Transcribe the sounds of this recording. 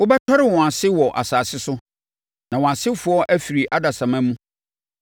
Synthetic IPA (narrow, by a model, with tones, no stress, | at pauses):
wʊ˦bɛ˦tʰɔ˦ɾɪ˨wɔ̃˨a˨sɪ˦wɔ˨ʔa̰˨saː˨sɪ˦sʊ˦ | nã˨wɔ̃˨a˨sɪ˦fʊ˨˦ɔ˦ʔæ˦fi˨ɾi˨ʔa˦da˨sã˨mã˦mũ˦